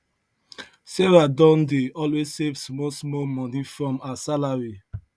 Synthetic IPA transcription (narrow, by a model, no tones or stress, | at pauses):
sɛɹadɔ̃ndeɔlwezsevsmɔsmɔlmɔ̃nifɹɔ̃masalaɹi